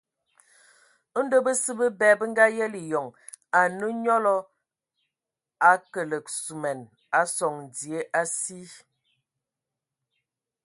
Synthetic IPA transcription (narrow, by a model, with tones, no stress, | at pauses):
ə˦n̩˦də˦bə˦sə˦bə˦bɛ˨˦bə˦ŋ̩˦ɡa˦jɛ˦li˨jɔ˨ŋ | a˨nə˦ɲɔ˦lɔ˦ | a˨kə˨lə˨k̚su˨mɛ˨n | a˨sɔ˨ŋn˨di˨e˦ʔa˦si˦